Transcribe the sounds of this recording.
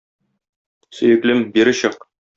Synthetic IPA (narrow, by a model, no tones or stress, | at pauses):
sɵ̆jɘ̆klɘmbiɾɘ̆ɕɤq